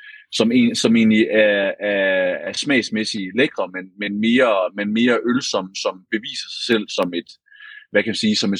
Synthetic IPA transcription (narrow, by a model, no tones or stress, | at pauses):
sɒ̽me̝̰ːnsɒ̽me̝̰ːnliʔæɐæɐæɐsmɛ̰ɪsmesileɡ̥ʁɐmenmenme̝ːɐmenme̝ːɐʔølsɒ̽m̰sɒ̽mb̥e̝ʋḭːsɐsɑ̈ɪsel̰sɒ̽me̝d̥ | ʋækʰæmænsiːsɒ̽me̝